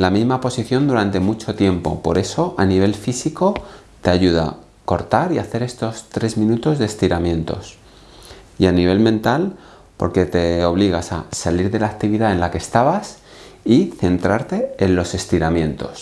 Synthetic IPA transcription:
lamizmapo̞siθjo̞nd̪uɾant̪e̞mut͡ʃo̞t̪je̞mpo̞̰po̞ɾe̞so̞ʔaniβ̞e̞lfisiko̞ | t̪e̞aʝuð̞a̰ | ko̞ɾt̪aɾiaθe̞ɾe̞st̪o̞st̪ɾe̞zmĩnut̪o̞zðest̪iɾamjẽ̞nt̪o̞̰s | ianiβ̞e̞lmẽ̞nt̪al | po̞̰ɾke̞t̪e̞o̞β̞liɣ̞asa̰saliɾðe̞laːk̚t̪iβiðae̞nlakest̪aβas | iθe̞nt̪ɾaɾt̪e̞ːnlo̞se̞st̪iɾamjẽ̞nt̪o̞s

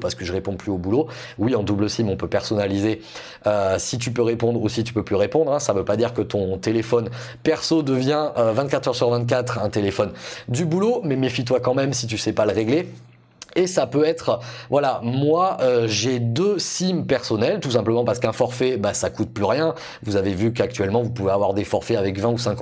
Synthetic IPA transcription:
paʁsəkəʒəʁepɔ̃plyobulo | wiɑ̃d̪ubləsimɔ̃pøpɛʁsɔnalize | øsit̪̬ypøʁepɔ̃d̪ʁusit̪y̥pøplyʁepɔ̃d̪ʁɛ̃savøpad̪iʁkət̪ɔ̃t̪elefɔn | pɛʁsod̪əvjɛ̃ʔøvɛ̃t̪̚kat̪χœʁsyʁvɛ̃t̪̚k̬ʲat̪χɛ̃t̪elefɔnd̪ybulomɛmefit̪wakɑ̃mɛmsit̪ysɛpaləʁeɡle | esapøɛt̪χvwalamwaøʒed̪øsimpɛʁsɔnɛlt̪us̬ɛ̃pləmɑ̃paʁsə̥kɛ̃fɔʁfɛbasakut̪̚plyʁjɛ̃ | vuzavevykak̚t̪ɥɛlmɑ̃vupuveavwaʁd̪efɔʁfɛavɛkvɛ̃usɛ̃k

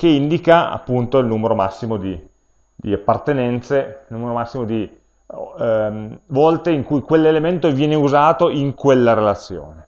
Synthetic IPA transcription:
keind̪ikaa̰pːunt̪oilnuːmeɾomasːimod̪i | d̪iapːart̪enɛnt̪seilnuːmeɾomasːimod̪i | vɔlt̪eiŋkujkwelːelement̪ovjɛːneuzaːt̪oiŋkwelːaɾelat̪sːjo̰ːne

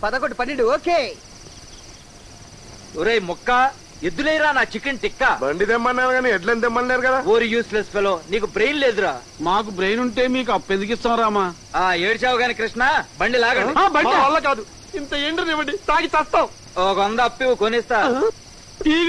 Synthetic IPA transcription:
pɐd̪ɐkoʈːipɐnːiɳɖioːkeː | oɾejmɔkːa | ed̪ːulejɾaːnaːt͡ʃikinʈikːaːbɐ̰ɳɖid̪emːɐnːaːnɡaːniɛʈlend̪ɛmːɐnleːɾukɐd̪aoːɾijuːslespeloːniːk̬ubɾejnleːd̪uɾa̰ː | maːk̬ubɾejnuɳʈe̞ːmiːk̬uɐpːend̪ukist̪aːw̃ɾaːmaː | aːeːɽit͡ʃaːʋɐɡaːnikɾɪʂɳaːbɐɳɖilaːɡɐɳɖaːbɐjɐɐlːɐk̬aːd̪u | int̪ɐeːɳʈiniʋɐɽɖit̪aːkit͡ʃɐst̪aːw̃ | ɔkɐɐnd̪ɐːpːiʋukonist̪aː | iː

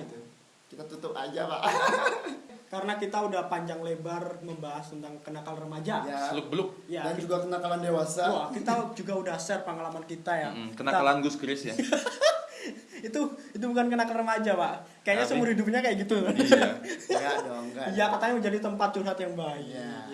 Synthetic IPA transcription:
it̪u | kit̪at̪ut̪ʊpad͡ʒapaʔ | kaɾənakit̪audahpaɲd͡ʒaŋlebarməmbaɦasənt̪aŋkənakanrəmad͡ʒajsəlʊk̚bəlʊk̚ | jadand͡ʒuɡakənakalandewasawahkit̪ad͡ʒuɡaudahsərpəŋalamankit̪ajakənakaalanɡuskɾɪsja | it̪uit̪̬ubukankənakanrəmad͡ʒapaʔ | kajaɲasəmuɾhidʊp̚ɲakajaʔɡit̪uan | dɔŋɡajakat̪aɲaməɲd͡ʒadit̪əmpat̪̚t͡ʃunɦat̪jaŋbaɪk

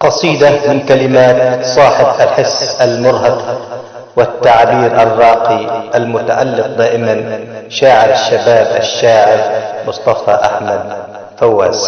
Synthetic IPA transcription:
qɑsˤiːd̪amɪnkalɪmaːt̪sˤɑːħɪbʔalħɪsːʔalmʊɾˤɦɑq | wɪt̪ːaʕbiːɾʔɑrˤːɑːqiʔalmʊt̪aʕa̰lːɪq̚d̪aːʔɪmanʃaːʕɪbaʃːabaːbʔaʃːaːʕɪbmʊsˤt̪ˤɑfaʔaħmad̪̚ | fawːa̰ːz

